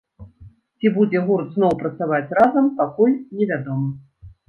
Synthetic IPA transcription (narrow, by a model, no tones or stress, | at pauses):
t͡sʲibud͡zʲɛɣurt̪znɔwpɾɐt̪savat͡sʲrazɐmpakulʲnʲɛvʲad̪ɔmɨ